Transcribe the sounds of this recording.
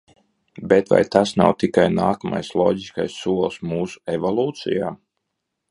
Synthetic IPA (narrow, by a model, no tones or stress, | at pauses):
bet̪va̰jt̪asna̰wt̪ikajnaːkama̰jslˠɔːɟiskajsːuɔlˠsmuːsu̥evolˠuːt̪sḭjaː